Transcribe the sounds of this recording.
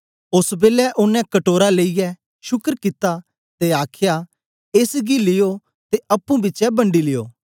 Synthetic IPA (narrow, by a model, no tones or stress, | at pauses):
ʊsbeːlɛʔʊnɛ̃kɐʈoːɾaleijɛ | ʃʊkəɾkit̪ːa | t̪eaːkʰɪja | eːsɡilɪjo | t̪eʔɐpːũbɪt͡ʃɛbɐ̃ɳɖilɪjo̰ː